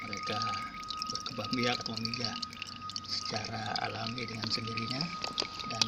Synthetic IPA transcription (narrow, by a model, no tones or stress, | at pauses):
məɾeka | bərkəbahmbiak̚məmid͡ʒaʔ | sə̥t͡ʃaɾaa̰lamidəŋansəndiɾiɲadan